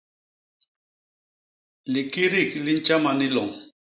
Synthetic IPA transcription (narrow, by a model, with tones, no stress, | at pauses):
li˨ki˦ɾi˦˨kli˦n̩˦t͡ʃa˦ma˨ni˦lɔ˨ŋ